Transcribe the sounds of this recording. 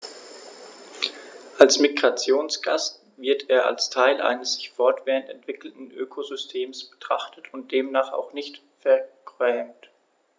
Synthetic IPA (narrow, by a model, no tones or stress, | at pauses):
ʔalsmiɡʁat͡sjoːnsɡ̥ast | vɪɐteːɐʔa̰lstʰaɪlʔa̰ɪnəsz̥ɪçfɔɐtv̥eːʁəntɛntv̥ɪkl̩tn̩ʔøːkʰozʏstʰeːmsb̥ə̥tʁ̥aχtətʰʊnt̚d̥eːmnaːχa̰ʊxnɪçt | fɛɐkʁɛːmt